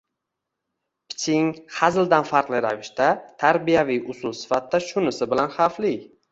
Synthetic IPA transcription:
pʰɪ̥t͡ʃʰɪŋχazɪld̪anfaɾqlˠɪɾavɪʃt̪at̪ʰaɾbijavijʔʊsʊlˠsɪ̥fat̪d̪aʃʊnɪsɪbɪlanχaflɪ

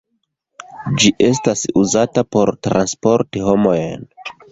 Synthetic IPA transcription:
d͡ʒiʔe̞stasuzatapo̞ɾtɾa̰nspo̞ɾtiho̞mo̞jn

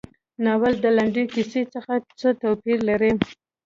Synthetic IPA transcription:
nɑwald̪əlaɳɖikiset͡səxat͡sət̪awpiɾlaɾi

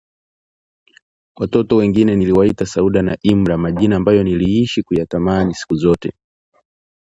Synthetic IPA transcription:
watɔtɔwɛŋɡinɛniliwaitasauɗanaʔim̩ɾamaʄinaːmbajɔniliiʃikujatamanisi̥kuzɔtɛ̰

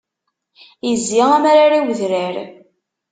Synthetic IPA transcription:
jəzːiʁæmaɾaɾawðɾəɾ

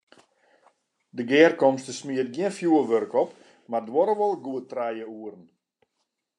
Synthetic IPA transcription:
dəɡɛːrkɔmstəsmiət̚ɡiɪənfjuəʋørkɔp | mardwɔɾəʋɔlˠɡuətrɛjəuərn̩

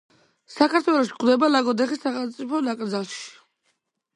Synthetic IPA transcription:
sakʰaɾt̪ʰwɛlˠɔʃi̥kʼd̪ɛbalaɡɔd̪ɛχisːaχɛlˠmt̪sʼipʰɔnakʼɾd̪zalˠʃi̥

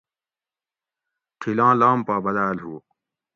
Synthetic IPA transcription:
tʰilãːlaːmpaːbɐd̪aːlɦuː

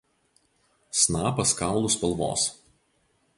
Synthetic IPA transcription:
snɑːpɐskɑˑʊlˠʊspɐlˠʋo̰ːs

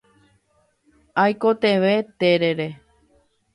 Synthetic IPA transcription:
ajkot̪eʋet̪eɾeɾe

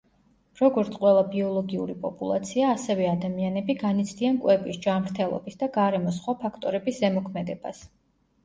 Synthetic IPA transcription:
ɾɔɡɔɾt̪sʰqʼwɛlˠabiɔlˠɔɡiṵɾipʼɔpʼulˠa̰t̪sʰiaːsɛvɛad̪amianɛbiɡanit̪sʰd̪iankʼwɛbisd͡ʒamɾt̪ʰɛlˠɔ̰bisd̪aɡaɾɛmɔsχwapʰakʰt̪ʼɔɾɛbiszɛmɔkʰmɛd̪ɛba̰s

